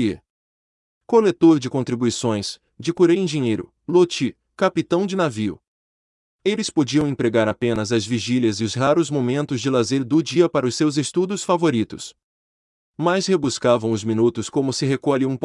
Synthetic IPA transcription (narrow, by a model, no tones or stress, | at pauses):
kolet̪oɾd͡ʒɪkõnt̪ɾibuisõj̃s | d͡ʒɪkuɾeĩʒĩɲejɾʊ̰ | lot͡ʃi | kapit̪ɐ̃w̃d͡ʒɪnaviʊ̰ | elɪspod͡ʒiɐ̃w̃ẽpɾeɡaɾapẽnɐzɐzviʒiljɐzɪʊzhaɾʊzmomẽnt̪ʊzd͡ʒɪlazeɾd̪ʊd͡ʒiɐpaɾɐʊsːewzest̪ud̪ʊsfavoɾit̪ʊs | majshebuskavɐ̃w̃ʊzmĩnut̪ʊskõmʊsɪɦekoaʎiũp